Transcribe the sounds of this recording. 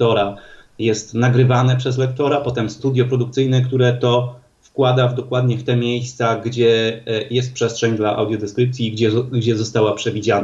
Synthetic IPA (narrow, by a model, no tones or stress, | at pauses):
ɔɾajɛst̪naɡɾɘvanɛpʂɛzlɛk̚t̪ɔɾapɔt̪ɛmst̪ud̪ʲjɔpɾɔd̪ukt̪sɘjnɛkt̪uɾɛt̪ɔ | fkwad̪avd̪ɔkwad̪ɲɛft̪ɛmʲjejst̪saɡd͡ʑɛjɛst̪̚pʂɛstʂɛɲd̪laʔa̰wd̪jɔd̪ɛskɾɘp̚t̪sʲjiɡd͡ʑɛɡd͡ʑɛzɔst̪awapʂɛvʲid͡ʑana